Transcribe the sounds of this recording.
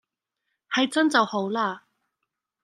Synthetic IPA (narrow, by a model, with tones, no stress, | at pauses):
hɐ˨˧jt͡sɐ˥nt͡sɐ˨who˨˥wlaː˥˩